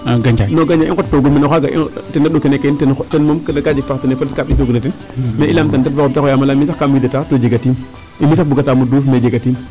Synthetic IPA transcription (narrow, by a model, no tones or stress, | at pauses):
ɡad͡ʒanoɡaɲd͡ʒaikottoɡumenoxaɡaḭtendaɗokenekentntenmomkədkad͡ʒik̚paktunefatkaɓit̬oɡunatin | meʔilamtandatbaomtakojamalamisakamidatatod͡ʒeɡatim | imis̬akbuɡatamudufmed͡ʒeɡatim